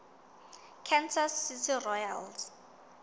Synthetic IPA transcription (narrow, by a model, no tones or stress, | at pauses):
kʰɛnsasːitʰirɔjals